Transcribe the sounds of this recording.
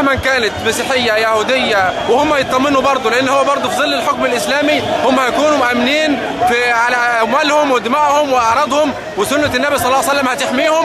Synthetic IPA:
hmænkæːnæt̪mæsiːħɪjːæjahuːd̪ɪjːæwɪhʊmːæjet̪ˤːɑmːenubɑɾˤd̪ˤoleʔenːhowːæbɑɾˤd̪ˤofizˤɨlːɪlħokmɪlʔɪslæːmihʊmːæhæjkuːnumʊʔæmːniːn | fiʕalæʔmæːlhomwɪd̪ɪmæːʔhomwɪʔɑʕɾˤɑːd̪ˤhom | wɪsʊnːænːæbisˤɑlːɑːwjsælːæmhæt̪ɪħmiːhʊm

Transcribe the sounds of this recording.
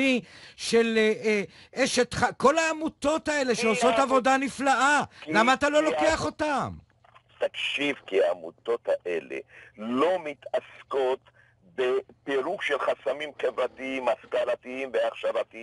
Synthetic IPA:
iʃe̞l | ʔeʃet̪χako̞laːmut̪o̞t̪ae̞le̞ʃeoso̞t̪avo̞daniflaʔalamaːt̪alo̞lo̞keaχo̞t̪am | t̪akʃivkiaːmut̪o̞t̪haʔelḛlo̞mit̪asko̞t̪ | bepeɾuɡʃelχasamimχevɾat̪iimaskalat̪iimveaχʃavat̪i

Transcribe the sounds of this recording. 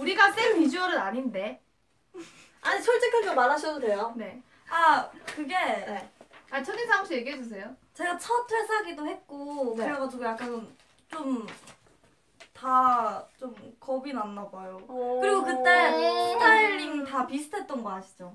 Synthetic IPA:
uɾiɡak͈enpid͡ʑuʌɾɯnaɲinde̞ | aɲit͡ɕʰoɭt͡ɕ͈ekʰɯɭt͡ɕomːanaɕʰʌdode̞jone̞ | akɯɡe̞ | at͡ɕʰʌninsʰaamɕ͈ʰije̞ɡiɦed͡ʑus̬ʰe̞jot͡ɕe̞ɡat͡ɕʰʌtʰɯɭsʰaɡidohe̞t̚k͈okɾeɡad͡ʑiɡojak͈ann | t͡ɕom | tat͡ɕomkʌbinanːabajokɯɾiɡokɯt͈at͈aɭːiŋtapisʰu̥tʰet̚t͈ʌnɡʌɦaɕʰi̥d͡ʑo

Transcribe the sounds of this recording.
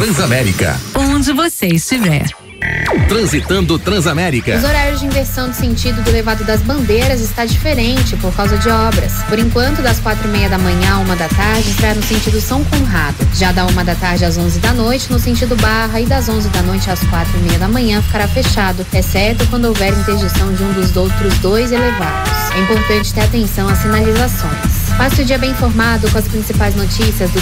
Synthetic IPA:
t̪ɾɐ̃zamɛɾḭkɐ̰õd͡ʒɪvoseɪst͡ʃivɛ̰ɾ | t̪ɾɐ̃zit̪ɐ̃nd̪ʊt̪ɾɐ̃zamɛɾikɐʊzoɾaɾjʊzd͡ʒɪĩveɾsɐ̃w̃d̪ʊsẽnt͡ʃid̪ʊd̪ʊlevad̪ʊd̪ɐzbɐ̃nd̪eɾɐzɪst̪ad͡ʒifeɾẽnt͡ʃɪpoɾkawzɐd͡ʒɪɔbɾɐ̰spoɾẽŋkwɐ̃nt̪ʊd̪ɐskwat̪ɾʊimejɐd̪ɐmɐ̃ɲɐ̃aũmɐd̪ɐt̪aɾd͡ʒɪɪsɾaɾnʊsẽnt͡ʃid̪ʊsɐ̃w̃kõɦad̪ʊʒad̪ɐũmɐd̪ɐt̪aɾd͡ʒɪazõzɪd̪ɐnojt͡ʃɪnʊsẽnt͡ʃid̪ʊbaɦɐɪd̪ɐzõzɪd̪ɐnojt͡ʃɪaskwat̪ɾʊimejɐd̪ɐmɐ̃ɲɐ̃fi̥kaɾafeʃad̪ʊɛsɛɾt̪ʊkwɐ̃nd̪ʊowvɛɾĩt̪eɾd͡ʒɪsɐ̃w̃d͡ʒɪũd̪ʊzd̪owt̪ɾʊzd̪ojzelevad̪ʊsɛĩmpoɾt̪ɐ̃nt͡ʃɪ̥t̪eɾat̪ẽsɐ̃w̃ɐsĩnalizasõj̃spasɪʊd͡ʒiɐbẽj̃ĩfoɾmad̪ʊkõɐspɾĩsipajznot͡ʃisiɐzd̪ʊ

